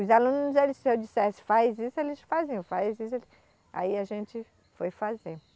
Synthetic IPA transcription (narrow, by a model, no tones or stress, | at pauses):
ʊzalũnʊzelɪssɪewd͡ʒisɛsɪ̥fajzisʊelɪsfazẽj̃ʊ̃fajzisʊelɪ | a̰iaʒẽt͡ʃɪ | fojfaze